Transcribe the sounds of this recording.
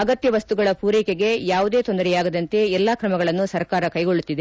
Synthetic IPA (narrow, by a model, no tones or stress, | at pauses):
ɐɡɐt̪jɐʋɐst̪uɡɐɭɐpuːɾiːkeɡe̞jaːʋud̪eːt̪o̞nd̪ɐɾɛjaːɡɐd̪ɐnt̪e̞ɛlːaːkɾɐmɐɡɐɭɐnːusɐɾkaːɾɐkɐjɡo̞ɭːut̪ːid̪e